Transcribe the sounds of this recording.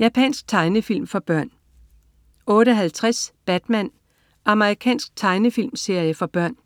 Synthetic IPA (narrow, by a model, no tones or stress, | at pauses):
jæpʰɛ̰nsɡ̥̚t͡sʰɑ̈ɪnəfil̰mfɒ̽b̥ɶɐ̰n | ɔ̽ːɾəɦælt͡sʰʁasb̥æd̥mæn | ʔɑ̈məʁikʰɛ̰ːnsɡ̥̚t͡sʰɑ̈ɪnəfil̰mse̝ɐ̰jəfɒ̽b̥ɶɐ̰n